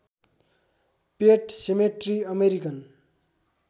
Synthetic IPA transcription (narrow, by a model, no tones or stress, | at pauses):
peʈsemeʈriʌmeɾikʌn